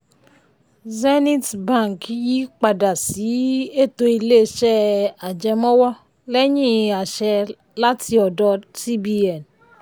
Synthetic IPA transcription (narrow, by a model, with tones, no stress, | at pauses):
ze˦ni˦tba˦˨ŋkji˦k͡pa˨da˨si˨˦e˦to˨i˨le˦˨ʃɛ˦a˨d͡ʒɛ˨mɔ˦wɔ˦ | le˦ɲi˦˨a˨ʃɛ˨ | la˦ti˨ɔ˨dɔ˦si˦bi˦ɛ˨n